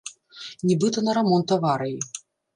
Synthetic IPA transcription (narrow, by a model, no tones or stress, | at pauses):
nʲibɨt̪ɐnɐɾamɔnt̪ɐvaɾɐji